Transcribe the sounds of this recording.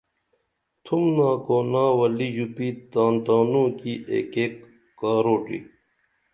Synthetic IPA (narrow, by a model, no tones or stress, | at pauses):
t̪ʰumnãːkoːnãːwɐliʑupiːt̪aːnt̪aːnũːkiʔḛːkeːkː | aːɾoːʈḭ